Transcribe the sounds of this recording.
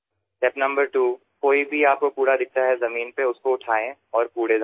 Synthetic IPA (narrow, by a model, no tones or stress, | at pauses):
ʈɛpnɐ̃mbəɾʈuː | koːibʱiaːp̚kopuːɾad̪ɪk̚ʰt̪aɦɛzɐmiːnpeʊskoʊʈʰaːẽɔːɾpuːɽeza